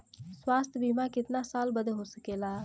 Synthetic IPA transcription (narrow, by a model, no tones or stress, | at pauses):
swaːst̪ʰbiːmaːkɪt̪nasaːlbəd̪ɦoːsəkeːlaː